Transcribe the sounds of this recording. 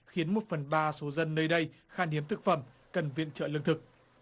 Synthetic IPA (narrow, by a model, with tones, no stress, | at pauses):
xi˨˦ənmo˨˩t̚fə˨˩nɓaː˧so˨˦zə˧nːəː˧jɗə˧j | xaː˧ni˨˦əmt̪ʰɨ˨˩k̚fə˧˩˨m | kə˨˩nvḭ˧˨ənt͡ɕə̰ː˧˨lɨ̰˧˨ŋt̪ɨ˨˩k̚